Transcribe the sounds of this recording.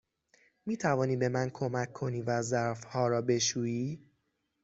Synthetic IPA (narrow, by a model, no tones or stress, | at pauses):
miːt̪ʰævɒːniːbe̞mænkʰo̞mækʰːo̞niːvæzæɾfhɒːɾɒːbe̞ʃuːiː